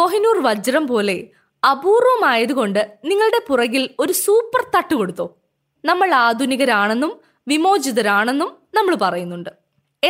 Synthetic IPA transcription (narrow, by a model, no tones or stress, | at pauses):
o̞ɦinuːrʋɐd͡ʑɐɾɐmpo̞ːle̞ | ɐbuːrʋɐmaːjɐðuɣo̞ɳɖɨniŋːɐɭɽe̞purɐɣilo̞ɾusuːpːɐrt̪ɐʈːuko̞ɽut̪ːo̞ː | nɐmːɐɭaːd̪ʱuniɣɐɾaːɳe̞nːum | ʋimo̞ːd͡ʑiðɐɾaːɳe̞nːumnɐmːɐɭpɐrɐjunːuɳɖɨ | e